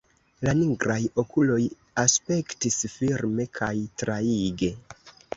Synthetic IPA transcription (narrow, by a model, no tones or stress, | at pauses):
laniŋɡɾajo̞kulo̞j | aspe̞ktisfiɾme̞kʰajtɾaiɡe̞